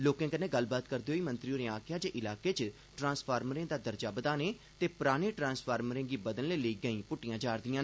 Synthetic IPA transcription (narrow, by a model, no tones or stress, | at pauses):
loːkẽːkənẽːɡəlbaːt̪kəɾd̪eoːiːmənt̪ɾioːɾẽːãːkʰjãːd͡ʒəːʔɪlaːkeːt͡ʃ | ʈɾãːnspʰaːɾməɾẽːd̪aːd̪əɾd͡ʒaːbəd̪aːneː | t̪eːpʊɾaːneːʈɾãːnspʰaːɾməɾẽːɡiːbəd̪əlleːleiːɡəĩːpʊʈːɪjãːd͡ʒaːɾd̪ɪjãː